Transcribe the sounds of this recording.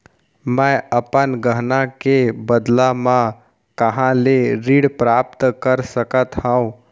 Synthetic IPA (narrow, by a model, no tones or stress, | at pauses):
mɛ̃əpənɡəɦnakebəd̪lamã | kəɦãleɾiːɽpɾaːp̚t̪kəɾsəkət̪hə̃ũ